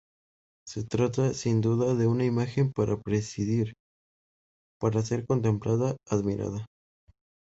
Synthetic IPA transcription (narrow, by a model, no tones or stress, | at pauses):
se̞t̪ɾat̪asind̪uðaðe̞unaimaxe̞mpaɾʔapɾe̞siðiɾ | paɾase̞ɾko̞nt̪̬e̞mplaðaːðmiɾʔa̰ða